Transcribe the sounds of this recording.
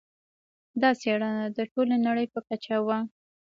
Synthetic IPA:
d̪ɑseɽanad̪əʈolanaɽəjpəkat͡ʃawa

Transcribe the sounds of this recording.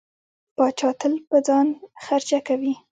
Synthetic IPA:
pɑt͡ʃɑt̪əlpəd͡zɑnxaɾt͡ʃakawi

